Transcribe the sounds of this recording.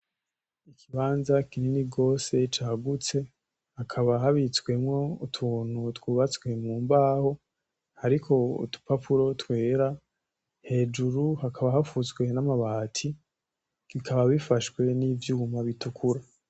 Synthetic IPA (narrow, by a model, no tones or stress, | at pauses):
ikʰiβaːnzakininiɡo̞ːse̞t͡ʃaːɡut͡se̞ | hakʰaβaɦaβit͡swe̞mŋo̞utʰuːn̥hutwuːβat͡sɡwe̞mŋuːmbaːho̞ | haɾikʰo̞ṵtu̥papʰuɾo̞twe̞ːɾa | he̞ːd͡ʒuɾuhakʰaβaɦafut͡sɡwe̞namaβatʰi | kikʰaβaβifaʃwe̞niːvjuːmaβitukʰuɾa